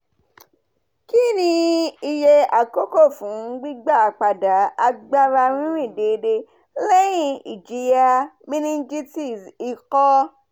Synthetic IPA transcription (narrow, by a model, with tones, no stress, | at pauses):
ki˦nĩ˧i˧je˧a˨ko˦ko˦˨fũ˨˦ɡ͡bi˦ɡ͡ba˦˨k͡pa˨da˨˦a˧ɡ͡ba˦ɾa˧ɾ̃ĩ˦ɾ̃ĩ˦˨de˧˨˧de˧ | lɛ˦j̃ĩ˦˨i˨d͡ʒi˨˦ja˧mĩ˦nĩ˦d͡ʒi˦ti˦˨si˨kɔ˦